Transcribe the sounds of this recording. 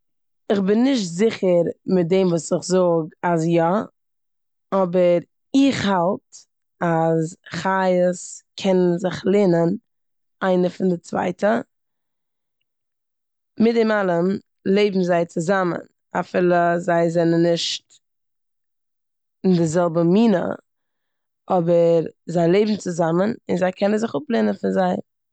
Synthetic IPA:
ɪχbɪnːɪʃtzɪχəɾmɪt̚deɪmvuːsɪχzʊɡasjɔ | ɔbəɾ | ɪχhalˠt | azχajəskʰɛnənzɪχlˠeːnən | aɪnəfɪndɪt͡sva̰ɪtʰə | mɪt̚dɪmalˠəm | lˠeɪbm̩zaɪt͡sɪzamə̰n | a̰fɪːlˠəzaɪzɛnənːɪʃt | ɪndɪzɛlˠbəmiːnə̰ | ʔɔbəɾzaɪlˠeɪbm̩t͡sɪzamənɪnzaɪkʰɛnənzɪχʊplˠenənfɪnzaɪ

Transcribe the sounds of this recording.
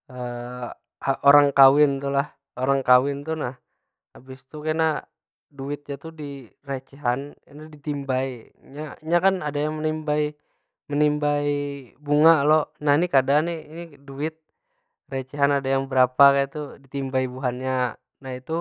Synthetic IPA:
əː | aʔoɾaŋkawɪnt̪ulah | oɾaŋkawɪnt̪unah | abɪst̪ukajna | duɪt̪̚ɲat̪udirat͡ʃiɦaninudit̪imbaiɲaiɲakanadajaŋmənimbai | mənimbaibuŋaʔlonahnikadaniiniduɪt̪̚ | rat͡ʃiɦanadajaŋbəɾapakajt̪udit̪imbaibuɦanɲa | nahit̪u

